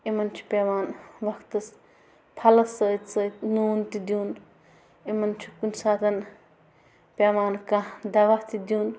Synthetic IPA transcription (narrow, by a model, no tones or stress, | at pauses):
imɐnt͡ʃʰu̥pʲeːmaːnʋɐkʰt̪ɐs | pʰɐlɐsəːt̪səːt̪nuːnt̪id̪juːn | imɐnt͡ʃʰu̥kunsaːt̪ʰɐn | pʲeːmaːnkad̪ɐʋaht̪id̪ʲjuːn